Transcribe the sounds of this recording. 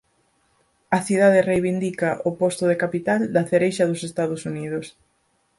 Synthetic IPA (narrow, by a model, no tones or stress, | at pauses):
ɐθiðaðɪrejβind̪ikɐʔopɔst̪ʊðekapit̪ald̪ɐθeɾejʃɐðʊsest̪aðosuniðʊs